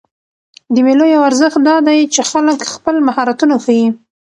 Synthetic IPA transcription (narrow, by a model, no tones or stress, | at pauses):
d̪əmelojawaɾzəxt̪̚d̪ɑd̪ajt͡ʃexaləkxpəlmahɑɾat̪unaxaji